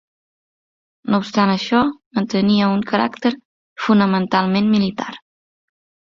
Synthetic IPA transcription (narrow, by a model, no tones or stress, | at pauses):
noupst̪anəʃɔmənt̪əniəuŋkəɾa̰kt̪əɾ | funəmənt̪alˠmenmilit̪a̰ɾ